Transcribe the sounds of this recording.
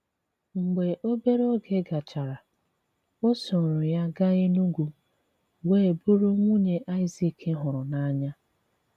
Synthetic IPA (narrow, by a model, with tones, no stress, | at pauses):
ŋ͡m̩˨ɡ͡be˨ʔo˦be˦ɾo˦ɡe˦ɡa˨t͡ʃa˨ɾa˨ | o˦sʊ˨ɾʊ˨ja˦ɡa˦ɣɪ˦nu˦ɡʷu˨ | we˦˨bu˦ɾu˦ŋʷu˦ɲe˨ʔa˦ɪ˦zi˨kʰɪ˦ɦʊ˨ɾʊ˨na˦a˦ɲa˦